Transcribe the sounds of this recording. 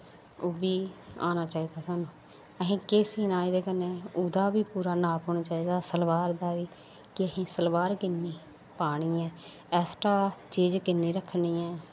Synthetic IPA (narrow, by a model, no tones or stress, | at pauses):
oːbiːa̰ːnaːt͡ʃaːiːd̪aːsaːnũː | əɦĩːkɪsiːnaːid̪eːkəneːud̪aːbiːpuːɾaːnaːkɦoːnaːt͡ʃaːiːd̪aːsəlʋaːɾd̪aːʋiː | kɪəhĩːsəlbaːɾkɪnːiː | paːɽ̃iːɛː | ɛːsʈaːt͡ʃiːd͡ʒkɪnːiːɾəkʰːniːɛː